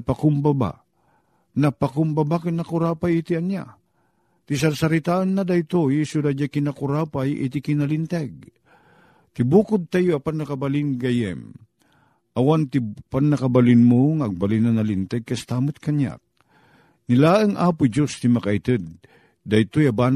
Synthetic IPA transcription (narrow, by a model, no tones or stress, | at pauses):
pakʊmbaba̰ | napakʊmbabakanakʊɾaːpajit̪ianja̰ | t̪is̬aɾsaɾit̪aʔanːad̪ajt̪ojsʊdad͡ʒakinakʊɾapajʔḭt̪ɪkɪnalɪnt̪ɛɡ̚ | t̪ɪbuːkʊd̪̚t̪ajoapanːɐkabalɪnɡajɛ̰m | ʔawant̪ɪpanːɐkabalɪnmoŋaɡ̚balinanalint̪ɛɡ̚kast̪aːmʊt̪̚kaɲja̰k̚ | nɪlaːʔəŋʔaːpʊd͡ʒost̪imakait̪ɨd̪̚ | d̪ajt̪ojaban